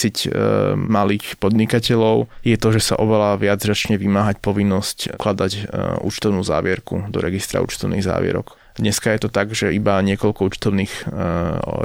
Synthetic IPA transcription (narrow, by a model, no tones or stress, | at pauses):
icmaliːxpɔd̪ɲikacɛʎɔʊjɛt̪ɔʒɛsa̰ʔɔʋɛlaʋɪad͡zzat͡ʃɲɛʋimaːɦacpɔʋinːɔscklad̪acṵt͡ʃt̪ɔʊnuːza̰ːʋɪɛɾkud̪ɔ̰ɾɛɡist̪ɾa̰ṵːt͡ʃt̪ɔʊnḭːɣza̰ːʋɪɛ̰ɾɔ̰k | d̪ɲɛskajɛt̪ɔt̪aɡʒɛibaɲɪɛkɔʎkɔuːt͡ʃt̪ɔʊniːx